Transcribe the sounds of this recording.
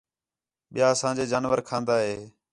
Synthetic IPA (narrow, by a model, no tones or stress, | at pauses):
ɓɪjaːəsãːd͡ʒeːd͡ʒaːnʋəɾkʰãːnd̪aːɦeː